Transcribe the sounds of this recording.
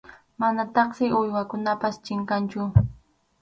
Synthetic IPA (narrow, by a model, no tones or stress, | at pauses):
manat̪ɑχsɪʔʊjwakʊnapast͡ʃɪɴkant͡ʃʊ